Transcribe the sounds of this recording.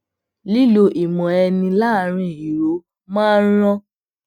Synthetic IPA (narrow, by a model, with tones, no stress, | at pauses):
li˦lo˧ʔi˨mɔ̃˨ɛ˧nĩ˧la˦˨ɾ̃ĩ˧˨i˨ɾo˨˦ | mãː˦ɾ̃ɔ̃˦